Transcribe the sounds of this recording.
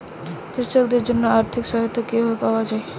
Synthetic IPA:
pɾiʃokd̪eɾd͡ʒonːoaɾt̪ʰikʃɔɦot̪okeɦoepawad͡ʒae

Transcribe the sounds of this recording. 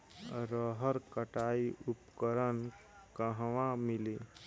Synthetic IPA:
ɾəɦəɾkəʈaiupkəɾən | kəɦʋãmɪli

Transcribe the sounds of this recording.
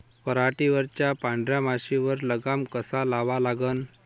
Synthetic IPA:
pəɾaʈiʋəɾt͡ɕjapãɳɖɾjamaɕiʋəɾləɡamkəsalaʋalaɡən

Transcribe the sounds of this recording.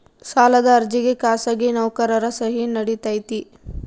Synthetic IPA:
saːlɐd̪ɐːɾd͡ʒiɡekaːsaːɡinɐwkɐɾɐɾɐsɐɦinɐɽit̪aːjt̪i

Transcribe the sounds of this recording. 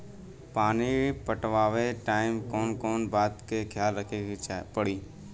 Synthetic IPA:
paːnipəʈʋaːʋeʈaːɪmkoːnkoːnbaːt̪keːkʰjaːlːəkʰepəɽiː

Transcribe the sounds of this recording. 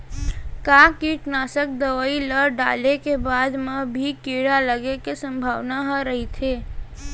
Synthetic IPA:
kaːkiʈnaːsək̚d̪əʋəiləɾɖa̰ːlekebaːd̪mabʱikiɽaləɡekesə̃mbʱaːʋnaɦəɾəɦit̪ʰeː

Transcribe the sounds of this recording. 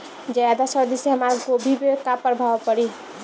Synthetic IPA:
d͡ʒajad̪asəɾd̪iseɦəmaɾkobʱibekapəɾbʱaʋpəɾi

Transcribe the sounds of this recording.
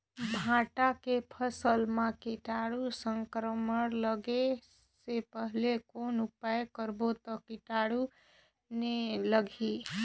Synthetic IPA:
bʱãʈakepʰəsəlmakiʈaɽusəŋkɾəməɾləɡe | sepəɦlekonupajkəɾbot̪ɔkiʈaɽu | neləɡʱi

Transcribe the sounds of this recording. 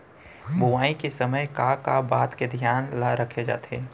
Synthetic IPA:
bʊʋaːikesəməjkakabaːt̪ked̪ʱjaːnlaɾəkʰed͡ʒa̰ːt̪ḛː

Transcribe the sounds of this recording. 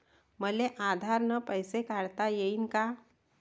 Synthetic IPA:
məleʔaːd̪ʱaːɾnəpəɪsekaɾt̪ajəinka

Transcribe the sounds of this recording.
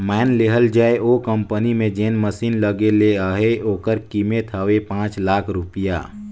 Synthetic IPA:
mɛːnleɦəld͡ʒaːeʔokə̃mpənimẽd͡ʒeːnməsiːnləɡeleaːɦeoːkəɾkimet̪ʰaʋepãːt͡ʃlaːkʰɾʊpija̰ː

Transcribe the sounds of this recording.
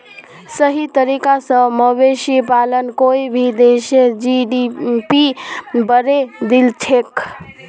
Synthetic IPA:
səɦit̪əɾikasəməbesipalənkoibʱid̪esed͡ʒiɖipibəɾed̪ilt͡ʃʰek

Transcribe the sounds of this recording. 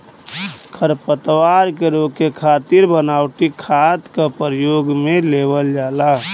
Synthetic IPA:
kʰəɾpət̪waɾkeɾokekʰaːt̪iɾbənaʊʈikʰat̪kapəɾjoɡmelebəld͡ʒaːla

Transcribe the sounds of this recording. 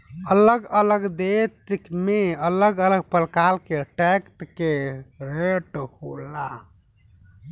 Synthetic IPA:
ələɡələɡd̪et̪ikmeələɡələɡ̚pəlkalkeʈɛkt̪keɾeʈhola

